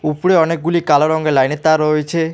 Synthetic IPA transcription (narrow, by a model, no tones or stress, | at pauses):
upuɽeɔnek̚ɡulikalɔɾɔŋɡelajnet̪aɾɔet͡ʃʰe